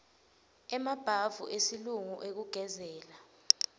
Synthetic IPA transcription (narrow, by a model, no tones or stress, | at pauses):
ɛmab̥ʱavṵʔesiluŋuʔek̬uɡ̥ʱɛzɛːla